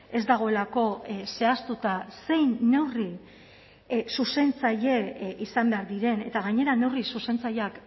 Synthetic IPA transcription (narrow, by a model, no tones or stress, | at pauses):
e̞zd̪aɣ̞o̞e̞lako̞se̞ast̪ut̪ase̞jnːe̞wri | suse̞nt͡saʎe̞isambe̞aɾðiɾe̞ne̞t̪aɣaɲe̞ɾane̞wrisuse̞nt͡sajak